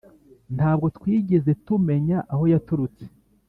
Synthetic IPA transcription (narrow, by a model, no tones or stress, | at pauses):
n̥taːb̚ɡo̞twiːɟe̞ze̞tume̞ɲaʔaho̞jatuɾut͡se̥